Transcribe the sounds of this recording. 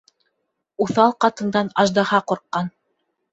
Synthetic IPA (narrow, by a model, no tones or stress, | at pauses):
uθɑlˠqɑt̪ɤ̆nd̪ɑnɑʒd̪ɑhɑquɾqːɑn